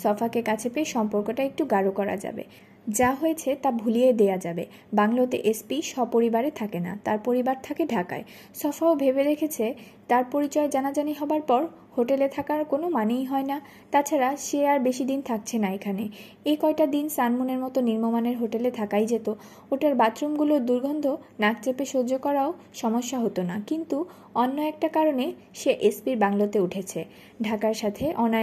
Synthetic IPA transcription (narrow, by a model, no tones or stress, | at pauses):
sɔfakekat͡ɕʰepeeʃɔmpoɾkoʈaek̚ʈuɡaɾokɔɾa̰d͡ʑa̰bḛ | d͡ʑaɦojet͡ɕʰet̪abʱulied̪ead͡ʑabe | baŋlot̪ḛʔespiʃɔb̚poɾibaɾet̪ʰakena̰t̪aɾpoɾibaɾt̪ʰakeɖʱaka̰e | sɔfaobʱebeɾekʰet͡ɕʰe | t̪aɾpoɾit͡ɕɔed͡ʑanad͡ʑaniɦɔbaɾpɔɾ | hoʈelet̪ʰakaɾkonomanejɦɔena | t̪at͡ɕʰaɾaʃeaɾbeʃid̪int̪ʰak̚t͡ɕʰenaekʰane | ekɔeʈad̪insanmuneɾmɔt̪oniɾmomaneɾɦoʈelet̪ʰakajd͡ʑet̪o | oʈaɾbat̪ɾomɡuloɾd̪uɾɡʱɔnd̪ʱonak̚t͡ɕepeʃod͡ʑokɔɾao | ʃɔmoʃːaɦot̪onakint̪u | ɔnːoɛk̚ʈakaɾone | ʃeʔespiɾbaŋlot̪euʈʰet͡ɕʰe | ɖʱakaɾʃat̪ʰeʔɔna